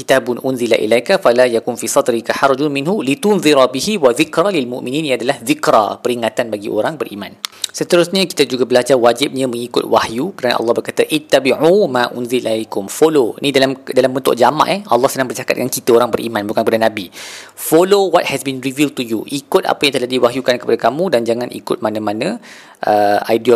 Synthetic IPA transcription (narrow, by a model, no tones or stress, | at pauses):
kit̪abʊnʔʊnzilaʔḭlajkafalajakʊnfisɑd̪ɾikaħɑɾˤd͡ʒʊnmĩnɦulit̪ʊnðiɾabihiwaðikɾalilmṵʔmĩnĩniadalahðikɾa̰pəɾiŋat̪anbaɡiʔoɾaŋbərʔimãnsət̪əɾʊsɲaki̥t̪ad͡ʒuɡabəlad͡ʒarwad͡ʒɪp̚ɲãmə̃ŋikʊt̪̚wahjukəɾana̰ʔɑ̰lːɑhbərkat̪aʔɪt̪ːabiʕumãʔʊ̰nzilakʊmfolonĩdalamdalambənt̪ʊ̰ʔd͡ʒamã̰ʔɛʔɑlːɑhsənãŋbərt͡ʃakat̚dəŋankit̪aoɾaŋbəɾʔḭmãnbukankəpadanãbi | folowɔt̪̚hɛsbinrivil̚t̪ujuʔikʊt̪̚a̰pajãŋt̪əladiwaɦjukankəpadakamũdand͡ʒaŋãnʔḭkʊt̪̚manãmanã | ʔəa̰jd